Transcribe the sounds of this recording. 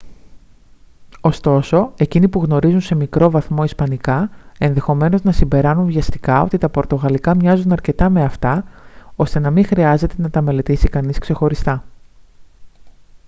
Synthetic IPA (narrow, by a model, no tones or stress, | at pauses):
o̞st̪o̞so̞e̞cinipuɣno̞ɾizunse̞mikɾo̞vɐθmo̞ispɐnikɐe̞nðe̞xo̞me̞no̞znɐsimbe̞ɾɐnunvʝɐst̪i̥kɐo̞t̪it̪ɐpo̞ɾt̪o̞ɣɐlikɐmɲɐzunɐɾce̞t̪ɐme̞ɐft̪ɐo̞st̪e̞nɐmixɾiɐze̞t̪e̞nɐt̪ɐme̞le̞t̪isikɐniskse̞xo̞ɾist̪ɐ